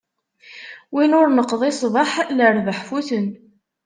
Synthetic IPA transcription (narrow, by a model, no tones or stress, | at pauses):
winʊɾnəqːðˤesˤvəħləɾðəħfuθən